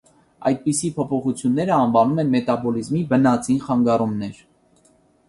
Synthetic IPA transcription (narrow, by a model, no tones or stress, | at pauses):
ɑ̰jt̪̚pisipʰɔpʰɔχut͡sʰjunːɛɾəɑnvɑnumɛnmɛt̪ɑbɔlizmibənɑt͡sinχɑŋɡɑrumnɛɾ